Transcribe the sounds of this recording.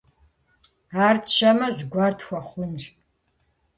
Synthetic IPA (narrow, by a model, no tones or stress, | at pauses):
aːrtʃɐmɐzɡʷartʰxʷɐχʷʊnr